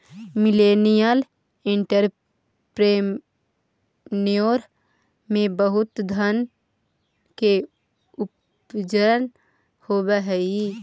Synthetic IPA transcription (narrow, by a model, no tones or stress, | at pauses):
mɪleːnijəl | ɪ̃ɳʈəɾ | pɾe | nijoɾ | mẽbəɦʊt̪d̪ʱən | ke | ʊp | d͡ʒəɾən | hobəɦɛi